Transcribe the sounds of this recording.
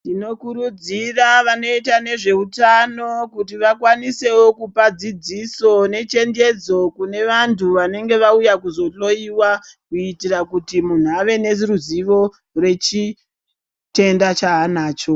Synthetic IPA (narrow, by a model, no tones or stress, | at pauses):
ndino̞kuɾud͡ziraʋano̞itane̞ʐe̞utano̞kutiʋakwanise̞wo̞kupad͡zid͡ziso̞ne̞t͡ʃe̞nd͡ʒe̞d͡zo̞kune̞ʋantuʋane̞ŋɡe̞ʋaujakuzo̞ɬo̞iwakuitirakutimun̤uaʋe̞neziɾuziʋo̞ | re̞t͡ʃi | te̞ndat͡ʃaɦanaːt͡ʃo̞